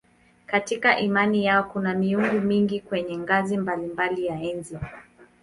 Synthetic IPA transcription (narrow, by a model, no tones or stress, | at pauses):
katikaʔimanijaɔkunamiuŋɡumiŋɡikwɛɲɛŋɡazimbalimbalijaɛnzi